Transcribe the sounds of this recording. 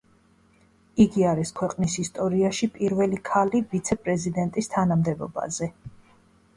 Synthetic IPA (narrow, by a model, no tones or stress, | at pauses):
iɡiaɾiskʰwɛqʼnisist̪ʼɔɾiaʃipʼiɾvɛlikʰalivit̪sʰɛpʼɾɛzid̪ɛnt̪ʼist̪ʰanamd̪ɛbɔ̰ba̰zɛ